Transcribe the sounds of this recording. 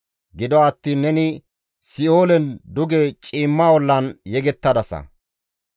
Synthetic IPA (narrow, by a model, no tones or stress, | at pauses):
ɡɪd̪ɔːt̪ːiːnːɛnɪ | sɪo̞ːlɛnd̪ʊɡet͡ʃʼiːmːaːwɔlːɐnjɛɡɛt̪ːɐd̪ɐsɐ̰